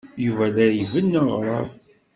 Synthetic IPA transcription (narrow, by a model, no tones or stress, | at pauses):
juvælæjəvənːəʁɾˤɑ̰v